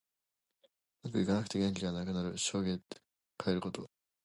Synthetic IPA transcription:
mat̪oikanakɯ̟̥t̪e̞ɡʲẽ̞ɲkʲiɡanakɯ̟naɾɯ̟ɕo̞ːɡet̪ | kaeɾɯ̟ko̞t̪o̞

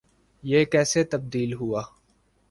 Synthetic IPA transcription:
jeːkɛːset̪ɐb̚d̪iːlɦuaː

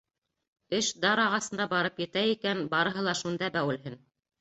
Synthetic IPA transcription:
ɘʃd̪ɑɾɑʁɑsɤ̆nd̪ɑbɑɾɤpjɘ̆t̪æikænbɑɾɤ̆ɦɤlˠɑʃund̪ɑbæwɘ̆lɦɘn

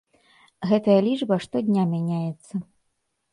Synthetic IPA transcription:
ɣɛt̪ɐjɐlʲiʐbɐʂt̪ɔd̪ʲnʲamʲanʲajɛt̪sːɐ

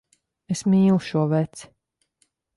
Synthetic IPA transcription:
esmiːlˠuʃuɔvɛt̪s

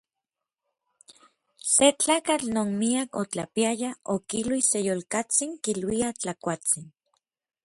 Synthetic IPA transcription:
set͡ɬaːkat͡ɬnoːnmiakot͡ɬa̰piajaokilwisejolkat͡siŋkilwiat͡ɬakʷat͡sin

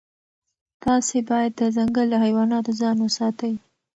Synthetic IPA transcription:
t̪ɑsebɑjad̪ːəzaŋɡəlːahajwɑnɑt̪ozɑnwəsɑt̪əj

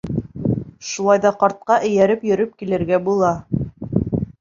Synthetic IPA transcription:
ʃulˠɑjðɑqɑɾt̪̚qɑʔɘ̆jæɾɘpjɵ̆ɾɵp̚kilɘ̆ɾɡæbulˠɑ

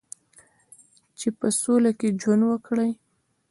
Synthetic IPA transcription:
t͡ʃepəsolaked͡ʒwand̪wəkɽəj

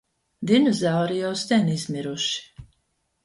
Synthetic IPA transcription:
d̪inɔzawɾijawst̪ʲɛnizmʲiɾuʃi̥

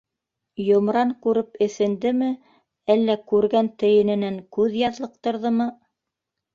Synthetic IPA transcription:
jŏmɾɑŋkʉɾɘpɘ̆θɘ̆nd̪ɘmɘ | ælːækʉɾɡænt̪ɘ̆jɘ̆nɘ̆næŋkʉðjɑðlˠɤ̆q̚t̪ɤ̆ɾðɤmɤ

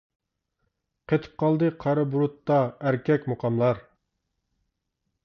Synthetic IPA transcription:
qʰet̪ʰɨ̥p̚qʰɑlˠd̪ɨqʰɑɾɨbuɾut̪ːɑæɾkʲʰɛkʲmoqʰɑmlˠɑɾ

